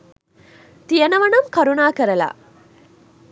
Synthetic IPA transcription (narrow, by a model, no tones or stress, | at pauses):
t̪ijɐnɐʋɐnɐmkɐɾunaːkɐɾɐla̰